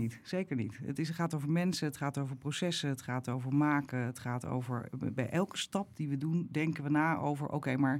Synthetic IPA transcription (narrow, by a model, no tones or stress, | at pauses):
itsejkəɹnitə̰tɪχaːtowvəɹmɛnsəətχaːtowvəɹprowsɛsəətχaːtowvəɹmaːkəətχaːto̰wvə̰ɹbɛjʔɛlˠkəstɑp̚diʋədundɛŋkəʋənaːʔo̰wvə̰ɹʔo̰wkejmaːɹ